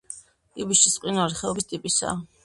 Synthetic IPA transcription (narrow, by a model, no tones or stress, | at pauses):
ɡʼibiʃisʼqʼinuaɾiχɛɔbist̪ʼipʼisa̰ː